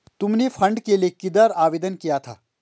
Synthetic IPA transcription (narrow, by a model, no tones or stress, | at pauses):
t̪ʊmnefʰɐ̃ɳɖkelijekɪd̪əɾaːʋeːd̪ənkijat̪ʰa̰ː